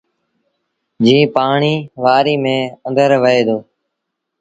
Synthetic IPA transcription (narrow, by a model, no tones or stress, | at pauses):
d͡ʒĩːpaːɳiːʋaːɾiːmẽːə̃nd̪əɾʋəɦeːd̪oː